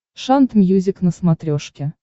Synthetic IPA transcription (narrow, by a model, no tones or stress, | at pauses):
ʃɑnt̪mʲjuzʲɪknəsmat̪ɾʲoʂkʲe